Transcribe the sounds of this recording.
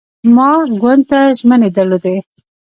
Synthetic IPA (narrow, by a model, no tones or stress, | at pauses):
mɑɡwand̪̚t̪aʒməned̪əɾlod̪e